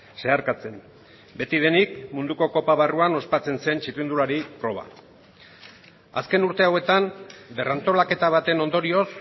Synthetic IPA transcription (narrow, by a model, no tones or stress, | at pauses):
se̞aɾkat͡se̞m | be̞t̪ið̞e̞nik̚mund̪uko̞ko̞paβaruano̞spat͡se̞nse̞nt͡ʃit̪ind̪ulaɾipɾo̞β̞a̰ | a̰ske̞nuɾt̪e̞awe̞t̪ambe̞rant̪o̞lake̞t̪aβ̞at̪e̞no̞nd̪o̞ɾio̞s